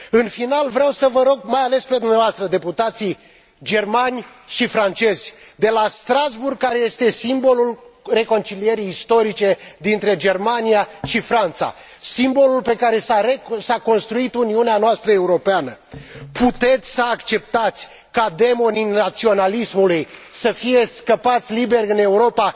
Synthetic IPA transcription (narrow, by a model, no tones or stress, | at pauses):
ɨnfinalvɾeawsəvəɾo̞ɡ̚majale̞spe̞d̪umnavoast̪ɾəd̪e̞put̪at̪si | d͡ʒe̞rmanʲʃifɾant͡ʃe̞zʲd̪e̞last̪ɾazburɡ̚kːaɾe̞je̞st̪e̞simbo̞lulre̞ko̞nt͡ʃilije̞ɾijːst̪o̞ɾit͡ʃe̞d̪int̪ɾe̞d͡ʒe̞rmaniaʃifɾant̪sa̰ | simbo̞lulpe̞kaɾe̞ssako̞nst̪ɾuit̪uniuneanoast̪ɾəe̞uɾo̞peanəput̪e̞t̪sʲsəakt͡ʃe̞p̚t̪at̪sʲ | kad̪e̞mo̞ninat̪sio̞nalismulujsəfije̞skəpat̪sʲlibe̞rʲɨne̞uɾo̞pa